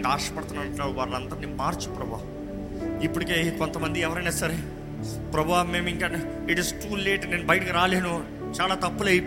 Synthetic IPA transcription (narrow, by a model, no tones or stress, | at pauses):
ɡaːɾʂɐ̥pɐɽt̪unaɐɳʈːaːɽuʋaːɾlɐnd̪ɐɾniːmaːɾt͡ʃu̥pɾɐbʱaː | ipːuɽikeːkont̪ɐmɐnd̪iɛʋɐɾɐjnaːsɐɾe | pɾɐbʱaːme̞ːmiŋʈɐn | iʈisʈuːleːʈne̞ːnubɐjʈikiɾaːleːnu | t͡ʃaːlaːt̪ɐpːulɐjp